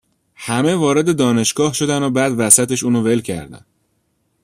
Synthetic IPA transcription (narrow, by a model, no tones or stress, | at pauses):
hæmevɒːɾe̞d̪e̞d̪ɒːne̞ʃɡɒːhʃo̞d̪ænobæːd̪væsæt̪e̞ʃuːnove̞lcʰæ̰ɾd̪æ̰n